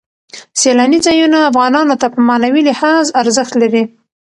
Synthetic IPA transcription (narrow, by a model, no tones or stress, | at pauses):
selɑnizɑjunaːfɣɑnɑnot̪apəmɑnawilɪhɑzaɾzəxt̪laɾi